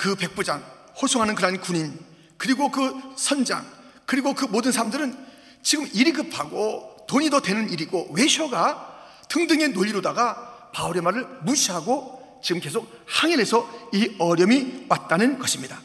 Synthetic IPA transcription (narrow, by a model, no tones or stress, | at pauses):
kɯpe̞k̚p͈ud͡ʑaŋ | hosʰoɦanɯnkɯɾʌankuɲin | kɯɾiɡokɯsʰʌnd͡ʑa̰ŋ | kɯɾiɡokɯmodɯnsʰaɾamdɯɾɯn | t͡ɕiɡɯmiɾiɡɯpʰaɡotoɲidodwe̞nɯniɾiɡowe̞ɕʰʌɡa | tɯŋdɯŋe̞nːoʎːiɾodaɡapauɾe̞maɾɯɭmuɕʰiɦaɡo | t͡ɕiɡɯmke̞sʰok̚haŋiɾe̞sʰʌiʌɾjʌmimat̚t͈anɯnɡʌɕʰimɲida